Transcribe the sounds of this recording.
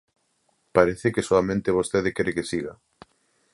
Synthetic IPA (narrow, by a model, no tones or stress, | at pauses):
paɾeθekesoamẽnt̪eβ̞ost̪eðɪkeɾekesiɣa̰